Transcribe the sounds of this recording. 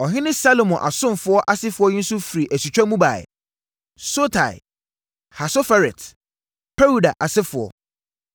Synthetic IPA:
ɔ˨ɦɪ̃˦nɪ̃˦sa˦lo˨mɔ̃˨ʔa̰˨sʊ̃˦m˨fʊ˦ɔ˦ʔa˦sɪ˦fʊ˨ɔ˦jɪ̃˦n̩˦sʊ˦fi˨ɾi˨ʔæ˨si˨t͡ɕᶣa˦mũ˦ba̰˨ɛ̰˨ | so˦tʰa˨ɪ̰˨ | ha˨so˦fa˦ɾɛ˨t | pʰɛ˦ɾu˨da˨ʔa˨sɪ˦fʊ˨ɔ̰˦

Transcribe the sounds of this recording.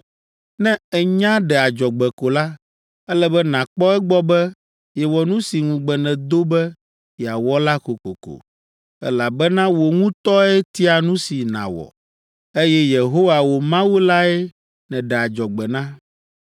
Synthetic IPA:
nɛ̃˦ɛ˨ɲã˦ɖɛ˨a˨d͡ʒɔ˨ɡ͡bɛ˨ko˨la˦ | ɛ˦lɛ˦bɛ˦nã˨k͡pɔ˦ɛ˦ɡ͡bɔ˦bɛ˦ | je˨wɔ˨nũ˦si˨ŋũ˨ɡ͡bɛ˨nɛ̃˨d̪o˦bɛ˦ | ja˨wɔ˦la˦ko˨ko̰˨ko̰˨ | ɛ̰˦la˨bɛ˦nã˦wo˨ŋũ˦t̪ɔ˦ɛ˦t̪i˦a˨nũ˦si˨nã̰˨wɔ̰˨ | e˦jɛ˦je˨ɦo˦wa˨wo˨mã˦wu˦la˦ɛ˦ | nɛ̃˨ɖɛ˨a˨d͡ʒɔ˨ɡ͡bɛ˨nã˦

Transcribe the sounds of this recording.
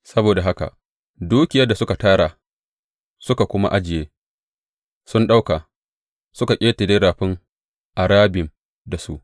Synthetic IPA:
sɐ˦boː˨da˨ɦa˦ka̰˨ʔ | duː˦kʲɪ˨jɐ˦da˨sʊ˦ka˨taː˦ɽa˨ | sʊ˦ka˨kʷʊ˦ma̰˦ʔa˦d͡ʒɪ˨jeː˦ | sʊ˦nɗa˦wkaː˨ | sʊ˦ka˨kʲʼeː˦te˨deː˦ɽaː˨ɸɪ˦ŋ | ʔa˨ɽaː˦bɪ˨m | da˨su˦ʔ

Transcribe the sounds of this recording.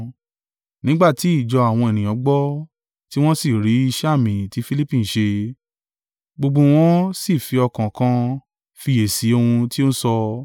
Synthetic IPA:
nĩ˦ɡ͡ba˦˨ti˨˦i˦˨d͡ʒɔ˧a˨w̃ɔ̃˧e˨nĩ˨j̃ɔ̃˨˦ɡ͡bɔ˦ | ti˦w̃ɔ̃˦si˦˨ɾi˨˦i˧ʃɛ˦a˦˨mĩ˨ti˨˦fi˦li˦pĩ˦n̩˨ʃe˧ | ɡ͡bo˧ɡ͡bo˧w̃ɔ̃˦si˦˨fi˧ɔ˧kã˨kã˧ | fi˧je˨si˨˦o˦˧ũ˧ti˦o˦sɔ˧

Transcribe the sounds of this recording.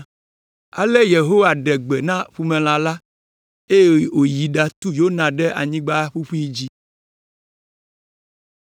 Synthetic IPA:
a̰˨lɛ˦je˨ɦo˦wa˨ɖɛ˨ɡ͡bɛ˨nã˦ɸu˨mɛ̃˨l̃ã˨la˦ | e˦je˦˨o˨ji˨ɖa˨t̪u˦jo˦nã˨ɖɛ˦ʔa̰˨ɲĩ˦ɡ͡ba˦ɸu˦ɸu˦i˦d͡ʑi˦

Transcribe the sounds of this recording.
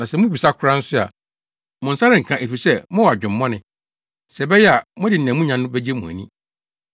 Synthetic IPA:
nã˨sɛ˦mʊ̃˦bi˨sa˦kʰʊ˦ɾã˦n̩˦sʊ˦a̰˨ | mʊ̃˨n̩˨sa˦ɾɪ̃˦˨ŋ̩˨kʰã˨ʔe˨fi˨sɛ˦mʊ̃˦wa˨d͡ʑᶣʊ̃˨mː˦ɔ̃˦nɪ̃˨ | sɛ˨bɛ˦jɛ˦a˨mʊ̃˦dɪ˨n̩˨æ̃˨mũ˦ɲã˨nː˦ʊ̃˦bæ˦d͡ʑe˦mũ˨æ̰˨nĩ˦

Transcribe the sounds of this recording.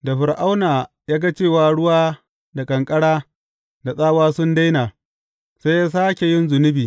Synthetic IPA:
da˨ɸʊ˨ɾʔa˦wnaː˨ | jaː˦ɡa˦t͡ʃeː˦˨waː˨ɽʊ˦waː˦ | da˨kʼɐ˨ŋkʼɐ˦ɽaː˦ | da˨sʼaː˦waː˦sʊ˦nda˦jnaː˨ | sa˦jaː˦s̬aː˦kʲe˨jɪ˦nzʊ˨nɪ˦biː˨

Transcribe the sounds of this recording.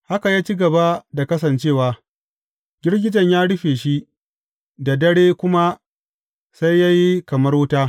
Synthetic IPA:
ha˦ka˨jaː˦t͡ʃi˦ɡɐ˨ba˦da˨kɐ˦s̬ɐ˨nt͡ʃeː˦˨waː˨ | ɡʲɪ˦rɡʲɪ˦d͡ʒɐ˨ɲjaː˦ɽʊ˦ɸeː˨ʃi˦ | da˨dɐ˦ɽeː˦kʷʊ˦ma˦ | sa˦jːa˦ji˦kɐ˨mɐ˦ɾwʊ˦taː˦

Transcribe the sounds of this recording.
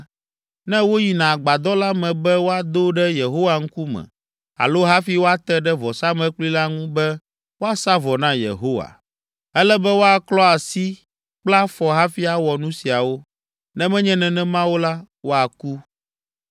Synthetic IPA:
nɛ̃˦wo˦ji˨nã˨ɡ͡ba˨d̪ɔ˦la˦mɛ̃˨bɛ˦wo˦a˨d̪o˦ɖɛ˦je˨ɦo˦wa˨ŋ̩˦ku˦mɛ̰̃˨ | a̰˨lo˦ɦa˦fi˦wo˦a˦t̪ɛ˦ɖɛ˦vɔ˨sa˦mɛ̃˨˦k͡pli˦la˦ŋũ˦bɛ˦ | wo˦a˦sa˦vɔ˨nã˦jḛ˨ɦo˦wa̰˨ | ɛ˦lɛ˦bɛ˦wo˦a˨klɔ˦a˨si˦ | k͡pla˦fɔ˨ɦa˦fi˦a˨wɔ˨nũ˦si˨a˨wo˦ | nɛ̃˦mɛ̃˦ɲɛ̃˦nɛ̃˦nɛ̃˦mã˦wo˦la˦ | wo˦a˨ku˦

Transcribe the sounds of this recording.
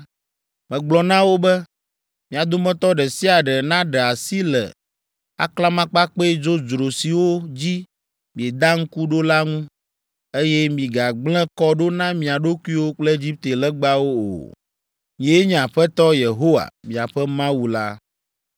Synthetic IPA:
mɛ̃˨ɡ͡blɔ˨nã˦wo˦bɛ˦ | mĩ˨a˨d̪o˦mɛ̃˦t̪ɔ˦ɖɛ˨si˦a˨ɖɛ˨nã˦ɖɛ˨a˨si˦lɛ̰˨ | a̰˦kla˦mã˦k͡pa˦k͡pe˦d͡ʒo˦d͡ʒɾo˨si˨wo˦d͡ʑi˦ | mĩ˨e˨d̪a˦ŋ̩˦ku˦ɖo˦la˦ŋũ˦ | e˦jɛ˦mĩ˨ɡa˨ɡ͡blɛ̃˦kɔ˦ɖo˦nã˦mĩ˨a˨ɖo˦ku˦i˦wo˦k͡plɛ˦e˦d͡ʑi˦p̚t̪e˨lɛ˦ɡ͡ba˦wo˦o̰˨ | ɲĩ˨e˦e˦ɲɛ̃˨a˨ɸɛ˦t̪ɔ˦je˨ɦo˦wa̰˨mĩ˨a˨ɸɛ˦mã˦wu˨la̰˦

